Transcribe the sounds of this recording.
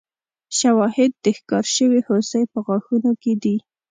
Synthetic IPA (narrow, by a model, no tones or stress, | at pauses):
ʃawɑhɪd̪̚ːəxkɑɾʃəwihosəjpəɣwɑxunoked̪i